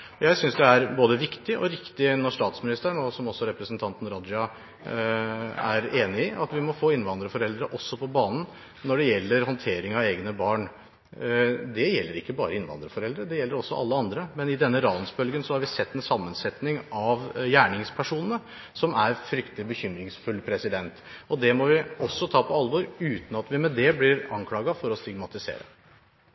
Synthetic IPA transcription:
ɔjæɪsʏnsd̪ɛæɾboːd̪əʋɪkt̪ɪʔɔ̰ɾɪkt̪ɪnɔʂt̪ɑːt̪smɪnɪst̪əəɳɔsɔmɔsːɔɾɛpɾəsnt̪ʰɑnt̪n̩ɾɔd̪d͡ʒɑ | æ̰ɾeːnɪɪʔɑ̰t̪ʋɪmɔfoːɪnːʋɑnd̪ɾəfɔɾɛld̪ɾəʔɔsːɔpʰɔbɑːnn̩ | nːɔɖɛjɛlːəɾhɔnt̪ʰeːɾɪŋɑʋeːɡnəbɑːɳ | d̪ɛjɛlːəɾɪkːəbɑːɾəɪnʋɑ̰nd̪ɾəfɔɾɛld̪ɾəd̪ɛjɛlːəɾɔsːɔʔɑ̰lːəɑnd̪ɾəmɛnɪd̪ɛnːəɾɑːnsbœlɡənsɔhɑɾʋɪsɛt̪ːɛnsɑmːənsɛt̪nɪŋʔɑʋjæːɳɪŋspʰæʂuːnənə | sɔmæɾfɾʏkt̪lɪbəçʏmɾɪŋsfʉlːpʰɾɛsɪd̪ɛnt̪ɔd̪ɛmɔʋɪɔsːɔt̪ʰɑːpʰɔɑlʋɔɾʉːt̪n̩ɑt̪ʋɪmɛd̪ɛblɪɾɑŋkʰlɑːɡɑfɔɾɔst̪ɪɡmɑt̪ɪsḛːɾə̰

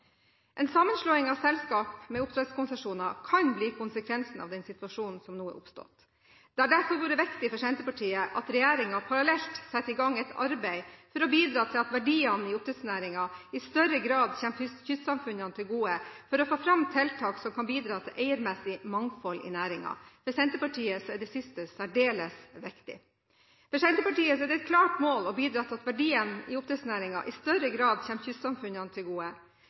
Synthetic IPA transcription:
ʔɛnsɑmːənʂɭoːɪŋɑʋsɛlskɑːpmɛʊpt̪ʰɾɛt̪skʰʊnsəʂuːnɑkʰɑnbliːkʰʊnsəkʰʋɛnsn̩ɑ̰ʋd̪ɛnsɪt̪ʋɑʂuːnn̩sɔmnuːə̰ʔʊ̰pst̪ɔ̰t̪ | d̪̥ɛæɖæɾfɔɾʋuːɾəʋɛkt̪ɪfɔʂɛnt̪əpɑʈʰiːəʔɑt̪ɾɛjæːɾɪŋɑpʰɑɾɑlɛlt̪sɛt̪ːɪɡɑŋɛt̪ɑ̰ɾbɛɪfɔɾɔbiːd̪ɾɑːt̪ʰɪlɑt̪ʋæɖiːɑnəɪʊpt̪ʰɾɛt̪snæːɾɪŋɑɪst̪œɾəɡɾɑːd̪çɛmphʏçʏsɑmfʉnɑnət̪ʰɪlɡuːəfɔɾɔfoːfɾɑmt̪ʰɛlt̪ʰɑːksɔmkʰɑnbiːd̪ɾɑːt̪ʰɪlʔæɪəɾmɛsɪmɑŋfɔlɪ̰næːɾɪŋɑ̰fɔsɛnt̪əpɑʈʰiːəsɔɛɖɛsɪst̪əsæɖeːləsʋɪkt̪ɪ̰ | fəsɛnt̪əpɑʈiːəsɔɛɖɛɪt̪̚kʰlɑːʈmoːlɔbiːd̪ɾɑːt̪ʰɪlɑt̪ʋæɖiːənɪ̰ʊpt̪ɾəsnæːɾɪŋɑ̰ʔɪst̪œɾəɡɾɑːd̪çɛmçʏssɑmfʉnɑnət̪ʰɪlɡuːə

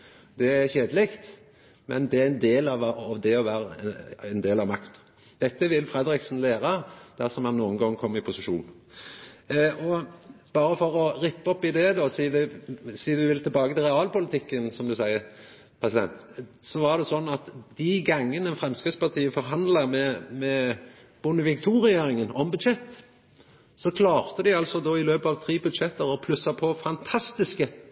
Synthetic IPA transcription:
d̪ɛæɾçeːd̪əlɪkt̪ | mɛ̰nd̪ɛæɛnd̪eːlɑʋɑʋd̪ɛɔʋæːɾəɛnd̪eːlɑʋmɑkt̪ | d̪̥ɛt̪ːəʋɪlfɾɛd̪ɾɪksn̩leːɾəd̪̥æɾsɔmhɑnːuːənɡɑŋːkʰɔmːɪpʰʊsɪʃṵːn | ʔɔb̥ɑːɾəfɔɾɔɾɪpːɔpːɪd̪ɛd̪ɔsiːd̪ɛsiːd̪ʉʋɪlt̪ɪlbɑːɡət̪ʰɪlʁɛɑːlpʊlɪt̪ʰɪkːənsɔmd̪ʉsæɪəɾ | pʰʁɛsɪd̪ɛ̰nt̪sɔʋɑd̪ɛsɔnːɑt̪d̪iɡɑŋːənəɛnfɾɛmskɪt̪spɑt̪ʰiːəfɔɾɦɑnd̪lɑmɛmɛ | b̥ʊnːəʋɪkt̪ʰuːɾɪeːɾɪŋənɔmbʉd̪ʂɛt̪ː | sɔkʰlɑːʁt̪əd̪ɪɑlsɔd̪oːɪløːpɑʋt̪ʰɾiːbʉd̪ʂɛt̪ːəɾɔpʰlʉsːɑpʰɔfɑnt̪ʰɑst̪ɪskə

